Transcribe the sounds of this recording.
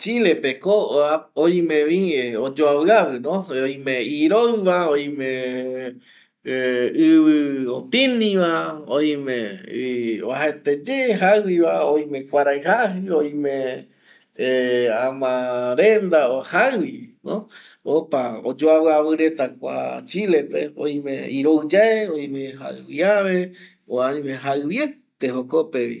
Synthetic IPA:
t͡ʃile̞pekoaoj̃mẽʋĩod͡ʒoaβɨaβɨnõoj̃mẽiɾoɨβaoj̃mẽ | ɨβɨot̪ĩnĩʋaoj̃mẽ | ohaet̪ed͡ʒeɦaɨwiβaoj̃mẽkʷaɾaɨɦaɦɨoj̃mẽ | ãmãɾend̪aohaɨwino | opao̰d͡ʒoaβɨaβɨɾe̞t̪akʷa̰t͡ʃile̞pḛo̰j̃mḛ̃iɾoɨd͡ʒaeoj̃mẽha̰ɨβiaβe | oaj̃mẽɦaɨβjet̪ehokopeβḭ

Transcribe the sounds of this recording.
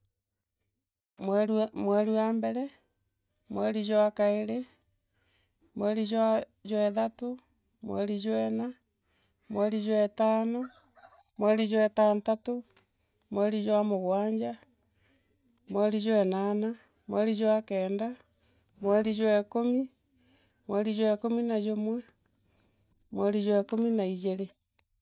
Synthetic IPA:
mmwɛɾuambɛɾɛ | mwɛɾid͡ʒwakaeɾe | mwɛɾiza | d͡ʒwɛðato | mwɛ̰ɾid͡ʒwɛna | mwɛɾid͡ʒwɛtaːno | mwɛɾid͡ʒwɛtaːntato | mwɛɾizwamoɣwaːɲd͡ʒa | mwɛɾizwɛnana | mwɛɾid͡ʒwakɛːnda | mwɛɾizwɛkomi | mwɛɾizwɛkominazomwɛ | mwɛɾizwɛkominaid͡ʒeɾe

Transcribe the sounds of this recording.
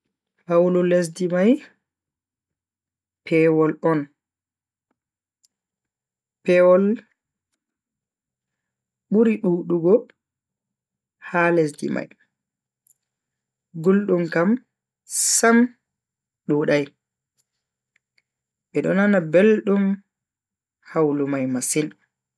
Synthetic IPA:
hawlɔles̬dimaj | pʰɛːwɔlɔn | pɛwɔl | ɓuɾiɗuːɗuɡɔ | hales̬dḭma̰j | ɡulɗumkam | sam | ɗuɗaj | ɓɛɗɔnanabelɗum | hawlumajmasin

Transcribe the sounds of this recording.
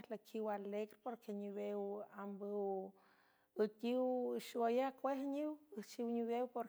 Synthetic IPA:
lakʰiwaleɡɾepoɾkʰeɲiβewambəw | ɨt̪ʲiwʃwajakʷehɲiwət͡ʃiwɲiβewpoɾ

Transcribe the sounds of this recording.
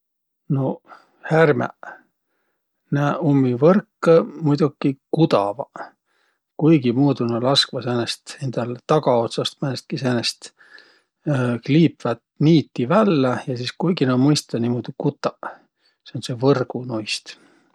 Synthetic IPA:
no̞ | hærmḛ | næːumːivɤrkːmujd̪̥ukːikut̪ɑ̰vɑ | kujɡimuːd̪unɑlɑskvɑsænest̪e̞nd̪̥ɑlt̪ɑɡɑot̪sɑst̪mænest̪̚kisænest̪ | kliːpvæt̪niːt̪ːivælːejɑsiskujɡ̥inɑmɤjst̪ɑnimod̪̥ikut̪ˑːɑ | seo̞nse̞vɤrɡ̥unojst̪

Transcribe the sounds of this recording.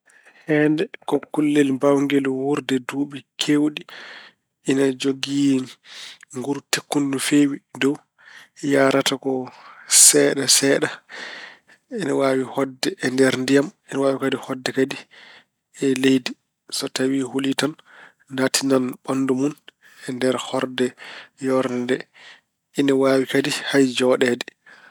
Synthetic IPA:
hɛndɛkɔkulːɛlbawŋɡɛlwuɾdɛduːɓɛkʰewɗi | ʔinad͡ʒoɡi | ŋɡuɾtekːundufewidɔw | jaːɾatakɔsɛːɗasɛːɗa | ɛnɛwawihɔdːɛʔɛndɛɾndijamɛnɛwaːwikadihɔdːɛkadi | ɛlejdi | sɔtawiholitanː | atʰinanɓanːdumun | ɛndɛɾhɔɾdɛjɔɾndɛ | inɛwawikadihajd͡ʒɔɗɛdɛ

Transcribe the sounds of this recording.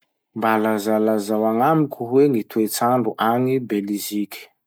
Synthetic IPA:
mbalazalazawaŋamikʰʲuɦweŋit̪uet͡saɳɖ͡ʐuʔaŋibelizikʲi̥

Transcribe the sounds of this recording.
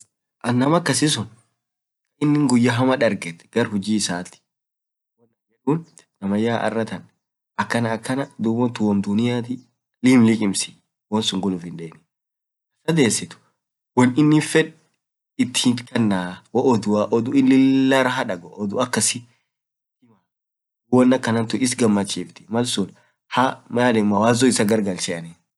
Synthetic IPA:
ʔɐnːɐmɐkːɐsɪs̬ʊn | kɐɪnːɪŋɡʊjːɐɦɐmɐᶑɐɾɡɛt̪ɛ̥ɡ̥ɐɾhʊd͡ʒiːɪsaːt̪ːɪ̥ | wɔnːɐmd͡ʒɛᶑuːn | nɐmɐjaːʔɐ̰rːɐt̪ɐn | ʔɐkːɐnɐːkːɐnɐd̪ubɔt̪ʊwɐmd̪ʊnɪjaːt̪ɪ | lɪmlɪkʼɪmsɪ̥ | wɔnsʊŋɡʊlʊfɪnd̪eːnɪ | ɐsɐd̪eːsɪt̪ʊ̥ | wɔnɪnːɪfɛᶑ | ɪt̪ːɪkɐnːaːwɐʔɔd̪ʊwaʔɔd̪ʊɪnlɪlːaɾɐɦɐᶑɐɡɔʔɔd̪ʊɐkːɐsɪ | t̪ɪma | wɔnːɐkːɐnɐnt̪ʊɪs̬ɡɐmːɐt͡ʃːiːft̪ɪ̥mɐlsʊl | hamɐalɛmːɐwaːzɔɪsɐɡɐɾɡɐlt͡ʃɛɐnɛ

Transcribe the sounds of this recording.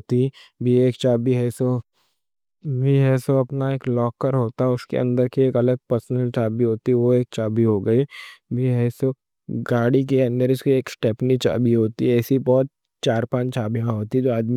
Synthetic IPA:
t̪ibʱieːkt͡ʃaːbiɦɛːso | bʱiɦɛːsoɐpnaeːklɔːkːəɾɦoːt̪aɦɛʊskḛɐ̰̃nd̪əɾkieːkɐləɡ̚pəɾsənəlt͡ʃaːbiɦoːt̪iʋoeːk̚t͡ʃaːbiɦoɡɐibʱiɦɛːso | ɡaːɽik̬eɐ̃nd̪əɾʊskieːksʈɛːpnit͡ʃa̰ːbʱiɦoːt̪iɛːsibɔːt̪̚ | t͡ʃaːɾpãːt͡ʃt͡ʃaːbijãɦoːt̪id͡ʒoːaːd̪mi

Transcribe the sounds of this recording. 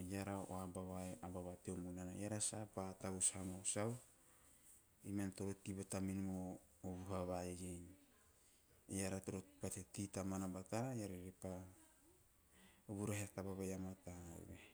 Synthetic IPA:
jaɾaʔo̰abaβaeabaβateomunanajaɾasapataβushamasaw | imantoɾotibataminmoo | oβuɦaβajejejn | jaɾatoɾopatetitamanabatajaɾeɾepa | oβuɾaɦeatabaβajamata̰ɾe

